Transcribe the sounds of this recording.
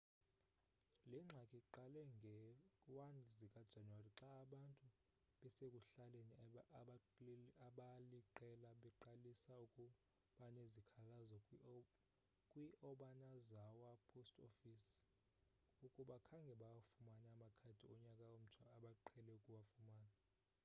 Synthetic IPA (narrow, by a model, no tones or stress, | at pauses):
lɛŋ͡ǀʱakʼiǃalɛŋɡʱɛwanzikʼad̥ʒ̥ʱanwariǁaːɓantʼu | ɓɛsekʼuɬaleniɓaaɓaliǃɛlaɓɛǃalisaukʼu | ɓanezikʰalazɔ | kʼwiʔɔɓanazawapʰostʰʼofis | ukʼuɓakʰaŋɡʱɛɓak̬ʼafumanaamakʰatʰiɔɲakʼaom̩tʰwaaɓaǃʰɛlɛukʼuwafumaːna